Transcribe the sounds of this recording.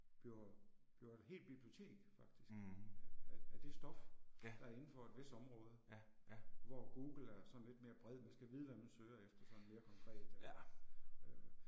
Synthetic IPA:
b̥ob̥jo̝ɐd̥ɦe̝̰ːld̥̚b̥ib̥lio̝t͡sʰe̝̰ːɡ̥fɑ̈ɡ̥̚d̥isɡ̥ | d̥e̝sd̥ɒ̽fd̥ɑ̈æɐe̝n̩fɒe̝d̥ʋe̝sd̥ɒ̽mʁɔːð̞ˠə | ʋɒɡ̥ṵːɡ̥l̩æɐsɒ̽n̩le̝d̥̚me̝ːɐb̥ʁɛð̞̰ˠmænsɡ̥æʋið̞̩ˠʋæmænsøːɐefd̥ɐsɒ̽n̩me̝ːɐkʰɒ̽ŋkʰʁɛ̰ːd̥

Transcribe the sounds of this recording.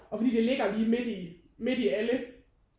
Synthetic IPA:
ɒfɒd̥ḭːd̥e̝le̝ɡ̥ɐliːme̝d̥i | me̝d̥iælə

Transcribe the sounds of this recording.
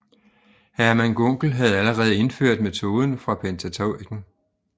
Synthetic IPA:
hæɐmænɡ̥ɔŋ̰ɡ̥l̩ɦæð̞̩ˠæləʁɛð̞̩ˠəe̝nføɐ̰d̥̚me̝t͡sʰo̝ːð̞ˠn̩fʁɑ̈pʰent͡sʰæt͡sʰoʊiɡ̥n̩

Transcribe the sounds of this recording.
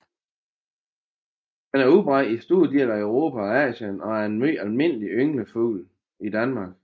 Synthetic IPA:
henæɐub̥ʁɑdisd̥uðˠd̥ielæəʊʁo̝ːpʰæɒ̽ɛ̰ːɕənɒ̽æɐe̝nælme̝n̰əliʔøŋləfṵːl | id̥ænmɑ̈ːɡ̥

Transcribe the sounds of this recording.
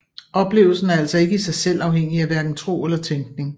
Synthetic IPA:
ʔɒ̽b̥le̝̰ːʊl̩sn̩æɐæl̰sɒ̽e̝ɡ̥əisɑ̈ɪsel̰ɑ̈ʊheŋ̰iæʋæɐd̥n̩t͡sʰʁo̝̰ːelɐt͡sʰeŋɡ̥ne̝ŋ

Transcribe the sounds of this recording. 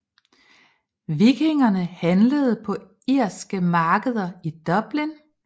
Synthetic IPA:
ʋiɡ̥eŋɐnəhænləð̞̩ˠpʰɒ̽ | iɐ̰sɡ̥əmɑ̈ːɡ̥əð̞ˠɐid̥ɒ̽b̥lin

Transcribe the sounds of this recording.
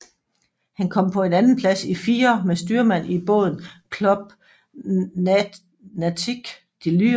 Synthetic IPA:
hænkʰɒ̽m̰pʰɒ̽e̝nænn̩pʰlæsifiːɐmesd̥yːɐmæn̰ib̥ɔ̰ːð̞ˠn̩kʰlɔb̥̚ | næt͡sʰiɡ̥ | d̥ily̰

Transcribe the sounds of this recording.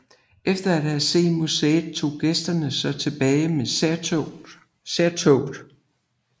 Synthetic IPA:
efd̥ɐæd̥hæse̝̰ːmuseːð̥ˠt͡sʰo̝̰ːɡ̥esd̥ɐnəsɒ̽t͡sʰe̝b̥ɛːɪme | seɐt͡sʰoʊd̥

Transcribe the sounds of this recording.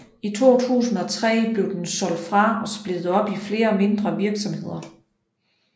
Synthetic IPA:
it͡sʰo̝̰ːt͡sʰṵːsn̩ˠɒ̽t͡sʰʁɛ̰ːb̥le̝ʊd̥ensɒ̽l̰d̥fʁɑ̈ɒ̽sb̥led̥ð̩ˠɒ̽b̥ifle̝ːɐme̝nd̥ʁɐʋiɐɡ̥sɒ̽mhe̝ð̞̰ˠɐ

